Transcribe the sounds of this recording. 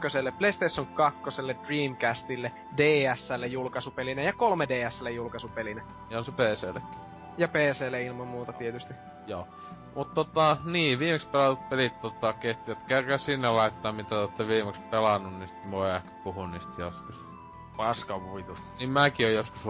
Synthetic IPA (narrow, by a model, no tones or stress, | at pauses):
øselːepleist̪esːoŋkɑkːoselːed̥riːmkæst̪ilːe | deːæsːælːejulkɑsupelinæjɑkolmedeːæsːælːejulkɑsupelinæ | jonsepeːseːlekːæ̥ | jɑpeːseːleilmɑmmuːt̪ɑt̪iet̪yst̪i | joː | mut̪t̪ot̪ɑniːʋiːmekspelɑt̪ut̪̚pelit̪t̪ot̪ɑket̪ːijæt̪kerkæsinːellɑˑitt̪ːˑɑːmmit̪æt̪ot̪ːɑʋiːmekspelɑnːunnisi̥t̪moˑeæhkæ̥puhuniːst̪joskus | pɑskɑʋuit̪u | nimmækiojjoskus